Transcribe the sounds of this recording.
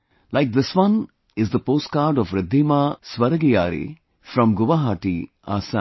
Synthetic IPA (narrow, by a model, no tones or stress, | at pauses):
laɪk̚d̪ɪsʋʌ̃n | ɪzd̪əpoːsʈ̚kaːɾɖɔfɾɪd̪ʱːimasʋɐɾəɡija̰ːɾḭ | fɾɔ̃mɡʊʋaɦaːʈi | a̰ːsã̰